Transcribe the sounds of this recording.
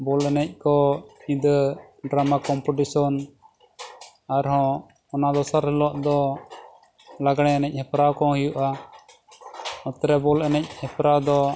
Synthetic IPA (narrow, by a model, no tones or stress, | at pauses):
bɔlɛnɛc̚ˀkɔĩd̪ | ɖɾamakɔmpɔʈisɔn | aɾɦɔ̃ | ɔnad̪ɔsaɾhɛlɔʔd̪ɔ | laɡɽ̃ɛ̃anɛc̚ˀhɛpɾakɔɦijuʔa | ɔt̪ɾɛbɔlɛnɛc̚hɛpɾad̪ɔ